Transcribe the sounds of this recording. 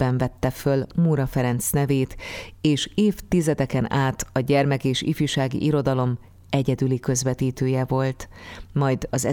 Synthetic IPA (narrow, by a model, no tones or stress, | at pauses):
ɛɱvɛt̪ːɛfølmuɾɒfɛɾɛnt̪snɛveːt̪eːʃeːft̪izɛd̪ɛkɛnaːt̪ɒɟɛrmɛkeːʃḭfjuʃaːɡḭʔiɾo̞d̪ɒlo̞m | ɛɟɛd̪ylikø̞zvɛt̪iːt̪øːjɛvo̞lt̪mɒjd̪ɒzɛ